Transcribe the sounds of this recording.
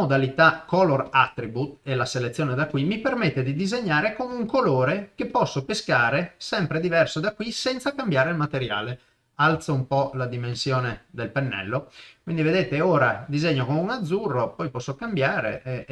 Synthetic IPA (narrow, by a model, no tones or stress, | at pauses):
od̪alit̪akɔlorat̪ːɾibut̪̚elaselet̪sːjoːned̪akːwimipermet̪ːed̪id̪izeɲːaːɾekomuŋkoloːɾekepːɔsːopeskaːɾesɛmpɾed̪ivɛrsod̪akwisɛnt̪sakambjaːɾeilmat̪eɾja̰ːle | alt̪soumpɔlad̪imensjoːned̪elpenːɛ̰lːokwind̪ived̪eːt̪eoːɾad̪izeɲːokomeunad̪zːurːopɔjpɔsːokambjaːɾḛʔɛ